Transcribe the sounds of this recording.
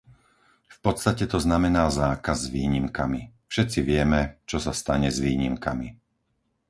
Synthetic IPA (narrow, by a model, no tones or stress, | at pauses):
fpɔt̪t͡st̪acɛt̪ɔznamɛnaːzaːkazːʋiːɲimkamifʃɛt̪t͡siʋɪɛmɛt͡ʃɔsast̪aɲɛzʋiːɲimkami